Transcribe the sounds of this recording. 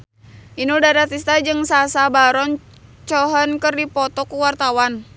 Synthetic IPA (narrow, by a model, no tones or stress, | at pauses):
ʔinudaɾat̪ist̪ad͡ʒɨŋsasabaɾɔn | t͡ʃɔɦɔnkərdipɔt̪ɔkuwart̪awan